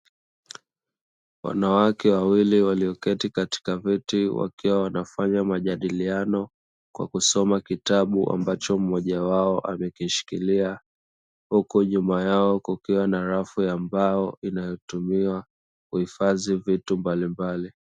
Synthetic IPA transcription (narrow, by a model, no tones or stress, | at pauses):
wa̰nawakɛwawiliwaliɔkɛtikati̥kavitiwa̰kiwawanafaɲamaʄaɗilianɔ | kwa̰kusɔmakitaɓuʔa̰mbat͡ʃɔm̩ːɔʄawaɔʔamɛkiʃi̥kilia | hukuʄumajaɔkukiwanaɾafuambajɔinajɔtumiwa | kuhifazivitumbalimbali